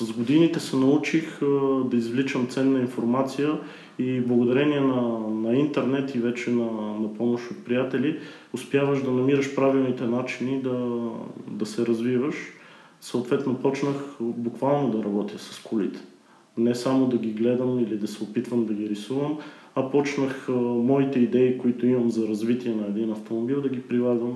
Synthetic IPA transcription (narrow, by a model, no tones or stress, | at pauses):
sɐzɡod̪init̪ɛsɛnɐut͡ʃixd̪ɐizvlit͡ʃəmt̪sɛnːɐinfoɾmat̪sijə | iblˠɐɡʊd̪ɐɾɛniɛnɐnɐint̪ɛɾnɛt̪ivɛt͡ʃɛnɐnɐpɔmoʃot̪̚pɾijat̪ɛli | ʊspjavəʃd̪ɐnɐmiɾəʃpɾavilˠnit̪ɛnat͡ʃinid̪ɐ | d̪ɐsɛɾɐzvivəʃ | sɐoʊt̪vɛt̪nopɔt͡ʃnəxbukvalˠnod̪ɐɾɐbɔt̪ijəsɐ̥skulit̪ɛ̥ | nɛsamod̪ɐɡʲiɡlɛd̪əmilid̪ɐsɛopit̪vəmd̪ɐɡiɾisuvəm | ɐpɔt͡ʃnəxmɔit̪ɛid̪ɛikoit̪oimɐmzɐɾɐzvit̪iɛnɐɛd̪inɐft̪omobilˠd̪ɐɡipɾilˠaɡvəm